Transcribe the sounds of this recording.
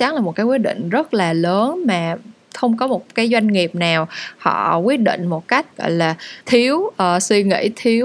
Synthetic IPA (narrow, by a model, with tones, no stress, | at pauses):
t͡ɕa˨˦ŋlaː˨˩mo˨˩t̚kaː˨˦jwi˦˥ət̚ɗḭ˧˨ŋ̟zə˦˥t̚laː˨˩ləː˨˦nmaː˨˩ | xə˧wŋ͡mkɔ˨˦mo˨˩t̚kaː˨˦jzwa˧jŋ̟ŋi˨˩əp̚naː˨˩whɔ̰˧˨kwi˦˥ət̚ɗḭ̈˧˨ŋ̟mo˨˩t̚ka˦˥jk̟̚ɣɔ̰˧˨jlaː˨˩t̪ʰi˨˦əwʔəː˨˩swi˧ŋḭ˧˥t̪ʰi˨˦əw